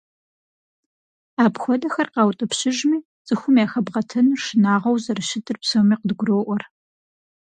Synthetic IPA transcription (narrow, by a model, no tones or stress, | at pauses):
aːpxʷɔdɐxɐrqɑwtʼɨpɕɪʒmiː | t͡sʼɨxʷʊmjaːxɐbʁɐtʰɨnʂɪnaːʁɐwzɐrɨʃɪtʰɨrpsowmiːqədɡʷʊroːʔʷɔr